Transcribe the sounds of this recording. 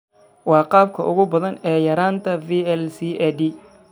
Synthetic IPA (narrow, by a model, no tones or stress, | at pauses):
wɑːqɑːb̚kʰɐʔʊɣʊbɐðɐnɛːjɐɾaːnt̪ʰɐviːɛlsiːʔɛd̪i